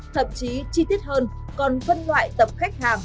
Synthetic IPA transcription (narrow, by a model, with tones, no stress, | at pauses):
t̪ʰə̰˧˨mt͡ɕi˨˦t͡ɕi˧t̪i˦˥ət̚həː˧n | kɔ˨˩nfə˧nlwa̰ː˧˨jt̪ə˨˩p̚xa˦˥jk̟̚haː˨˩ŋ